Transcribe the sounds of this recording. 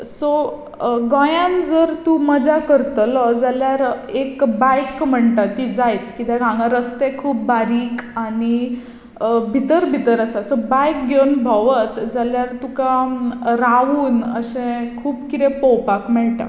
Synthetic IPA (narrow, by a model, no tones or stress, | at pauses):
so | ɡɔ̃jãnd͡zəɾt̪uməd͡ʑakəɾt̪əlɔd͡zaljaɾekbajkm̤əɳʈ̪at̪ːiːd͡zajt̪kit̪eɡʱãŋɡãɾəst̪ekʰuːp̚baɾiːkani | bʱit̪əɾbʱit̪əɾəsasɔbajk̚ɡewnbʱɔʋət̪d͡zaljaɾt̪ukaɾaʋuːnəɕẽkʰuːpkit̪ẽpɔwpakmɛɭʈ̪a̰